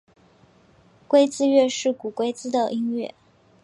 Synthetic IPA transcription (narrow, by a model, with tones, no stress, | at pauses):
kwe˥ɪt͡sɹ̩˥ɥɛ˥˧ʂɻ̩˥˩ku˨˩kwe˥ɪt͡sɹ̩˥d̪ə˨ʔi˥ŋɥɛ˥˩